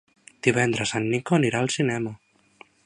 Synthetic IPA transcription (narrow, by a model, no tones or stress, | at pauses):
d̪̥iβ̞ɛnd̪ɾəsanːikoəniɾaːlˠsinɛmə